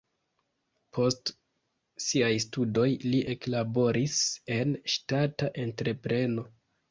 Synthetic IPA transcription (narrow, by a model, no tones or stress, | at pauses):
pʰo̞st | siajstudo̞jliʔe̞klabo̞ɾise̞nʃtataʔe̞ntɾe̞pɾe̞no̞